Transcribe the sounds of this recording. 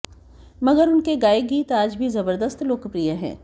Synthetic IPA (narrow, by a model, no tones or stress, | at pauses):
mɐɡəɾʊnkeɡaːeɡiːt̪aːd͡ʒbʱizɐbəɾd̪əst̪loːkpɾijaɦɛ̰̃ː